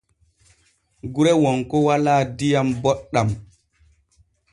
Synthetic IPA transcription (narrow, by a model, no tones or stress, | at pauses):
ɡuɾɛwɔŋkɔwalaːdijambɔɗːam